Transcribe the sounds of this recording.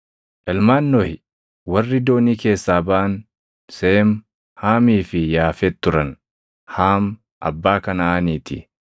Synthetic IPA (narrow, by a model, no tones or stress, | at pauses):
ʔɛlmaːnːɔhɪ | wɐrːɪd̪o̞ːniːke̞ːsːaːbaʔɐn | seːm | haːmiːfɪjaːfɛt̪ːʊɾɐn | haːm | ʔɐ̰bːaːkɐnɐaːniːt̪ɪ